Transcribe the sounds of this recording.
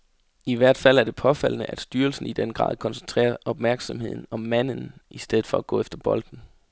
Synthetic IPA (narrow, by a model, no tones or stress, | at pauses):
iʋæɐ̰d̥fæl̰æɐd̥e̝pʰɒ̽fæl̰ənəʔæd̥sd̥yːɐlsn̩id̥enɡ̥ʁɑ̰̈ːðˠkʰɒ̽nsent͡sʰʁɛ̰ːɐʔɒ̽b̥mæɐɡ̥sɒ̽mhe̝ð̰ˠn̩ɒ̽mːæn̰n̩ʔisd̥eð̞̩ˠfɒæɡ̥ɔ̰̽ːefd̥ɐb̥ɒ̽ld̥n̩